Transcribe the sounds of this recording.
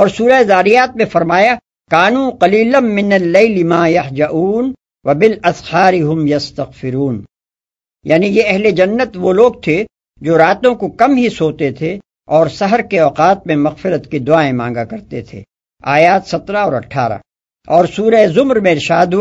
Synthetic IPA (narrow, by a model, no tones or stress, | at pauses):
ɔːɾsuːɾaezaːɾijaːt̪̚mẽfɐɾmaːja | kaːnuːqɐliːlɐnmɪnɐlːɐɪlɪmaːjɐhd͡ʒɐʔuːn | ʋɐbɪlɐshaːɾɪɦʊmjɐst̪ɐɣfɪɾuːn | ja̰ːnijeɛɦled͡ʒɐnːət̪ʋoloːɡ̚t̪ʰe | d͡ʒoːɾaːt̪õkokɐmɦisoːt̪et̪ʰe | ɔːɾsɐɦəɾkeɔːqaːt̪̚mẽmɐɣfɪɾət̪kid̪ʊaːẽmãːŋɡakɐɾt̪et̪ʰḛː | aːjaːt̪sɐt̪ɾaɔːɾɐ̰ʈʰːaːɾa̰ | ɔːɾsuːɾaezʊmɾmẽɪɾɪʃaːd̪ɦu